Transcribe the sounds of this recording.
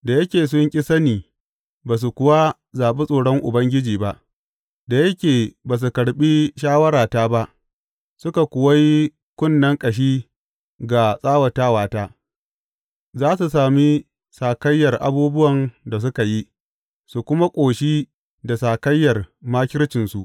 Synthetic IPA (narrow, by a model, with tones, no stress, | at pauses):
da˨jɐ˦kʲeː˨s̬ʊ˦ŋkʲʼɪ˦sɐ˦niː˨ | baː˨s̬u˨kʷʊ˨wa˦ | zaː˨ɓe˦sʼoː˨ɽɔ˦ŋʔʊ̰˨bɐ˦ŋɡʲɪ˦d͡ʒiː˨ba˦ʔ | da˨jɐ˦kʲeː˨baː˨s̬u˨kɐ˨ɽɓi˦ʃ̬aː˦wɐ˦ɾaː˨taː˦ba˦ʔ | sʊ˦ka˨kʷʊ˨wa˦ji˦ | kʷʊ˦nːɐ˦ŋkʼɐ˨ʃ̬iː˦ | ɡa˨sʼaː˦wɐ˨taː˦waː˨taː˦ | zaː˦su˨saː˨mi˦ | saː˨kɐ˦jːɐ˨rʔa̰˨buː˦bʊ˦wɐ˨nda˨s̬ʊ˦ka˨ji˦ | su˨kʷʊ˦ma˦kʷʼoː˨ʃiː˦ | da˨saː˨kɐ˦jːɐ˨rmaː˦kʲɪ˦ɽt͡ʃɪ˨nsu˨ʔ